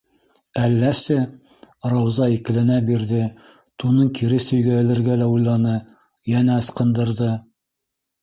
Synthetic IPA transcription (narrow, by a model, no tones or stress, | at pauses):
ælːæsɘ | rɑwzɑikɘ̆lɘnæbiɾðɘ | t̪unɤɴkiɾɘsɵ̆jɡæjælɘ̆ɾɡælæujlˠɑnɤ | jænæɤ̆sqɤ̆nd̪ɤ̆ɾðɤ